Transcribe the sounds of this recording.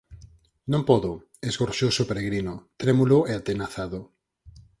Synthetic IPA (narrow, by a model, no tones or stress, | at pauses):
nõmpɔðʊ | ezɣoɾʃowsopeɾeɣɾinʊt̪ɾemulʊeat̪enaθaðʊ